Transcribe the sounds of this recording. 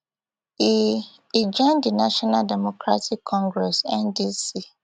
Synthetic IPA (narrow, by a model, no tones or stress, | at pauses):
i | id͡ʒãndɪnaʃɔnaldɛmɔkʰɾatʰɪkʰːɔ̃ŋɡɾɛsɛndisi